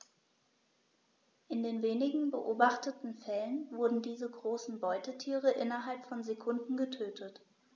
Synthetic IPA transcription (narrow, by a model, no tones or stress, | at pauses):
ʔɪndeːnveːnɪɡŋ̩bəʔoːbaχtətn̩fɛlənvʊɐdn̩diːzəɡʁoːsn̩bɔʏtətʰiːʁəʔɪnɐɦalpfɔnzekʰʊndn̩ɡətʰøːtʰət